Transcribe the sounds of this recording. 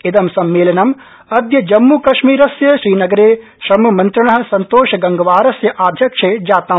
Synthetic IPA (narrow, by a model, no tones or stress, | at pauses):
ɪd̪ɐmsɐmːeːlɐnɐm | ɐd̪jɐd͡ʒɐmːukɐʃmiːɾɐsjɐʃɾiːnɐɡɐɾeː | ʃɾɐmɐmɐ̃nt̪ɾɐɳɐɦɐ̆sɐnt̪oːʃɐɡɐŋɡɐʋaːɾɐsjɐʔaːd̪ʱjɐkʂeːd͡ʒaːt̪ɐ